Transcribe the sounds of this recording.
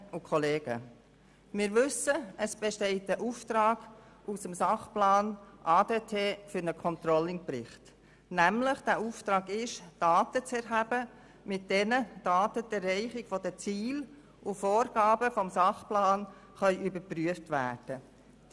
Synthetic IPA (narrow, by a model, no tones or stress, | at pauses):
ukʰχɔleːɡ̥ə | mɪːɾʋʏsəəsb̥ɛʃtɛɪt̚dəʔuft̪ɾɑːɡ̥ | ʔusəmsɑχplɑːnʔɑːdeːtʰeːfyɾnəkʰɔntɾɔlɪŋpɾɪχt | næmləχd̥æːʔuːft̪ɾɑːɡɪʃd̥ɑːtət͡sɛɾɦæbə | mɪt̚d̥ɛnəd̥ɑːtətɛrɛɪχɪɡ̥fod̥ət͡siːl | ʔufoːɾɡɑːbəfɔmsɑχplɑːn | χœʏʔʏbəɾpryəftʋæ̰ːd̥ə